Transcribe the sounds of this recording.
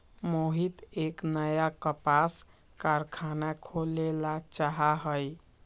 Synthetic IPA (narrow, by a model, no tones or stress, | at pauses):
moɦit̪eknəjakəpas | kaɾkʰanakʰolelat͡ʃaɦaɦəj